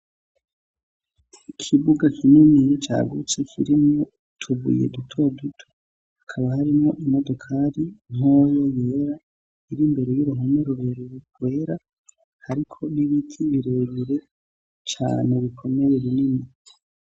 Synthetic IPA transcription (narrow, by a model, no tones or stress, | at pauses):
ikʰiβuɡakininijt͡ʃa̰ːɡut͡se̞kʰiɾimo | tʰuβṵjḛdutʰo̞dutʰo̥ | hakʰaβahaɾimŋo̞ʔimo̞do̞kʰaɾiŋ̥ojoje̞ːɾa | iɾimbe̞ɾe̞juɾuɦomeɾuɾeɾuɡwe̞ːɾa | haɾikʰo̞niβitʰiβiɾe̞βiɾe̞ | t͡ʃa̰ːn̥eβikʰo̞me̞jeβinini